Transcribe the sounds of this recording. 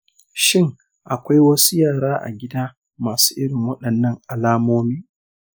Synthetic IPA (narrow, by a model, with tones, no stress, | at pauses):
ʃɪ˦˨ŋ | ʔa˨kʷa˦jwɐ˦su˦jaː˦˨ɽaː˦ʔa̰˨ɡʲɪ˦daː˦ | maː˨su̥ː˦ʔɪ˦ɽɪ˨ŋwɐ˦ɗɐ˨nːɐ˦ŋʔa˨laː˦moː˦miː˦